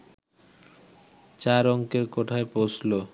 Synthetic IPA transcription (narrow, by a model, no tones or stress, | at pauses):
t͡ɕaɾɔŋkeɾkoʈʰaepowsʰlo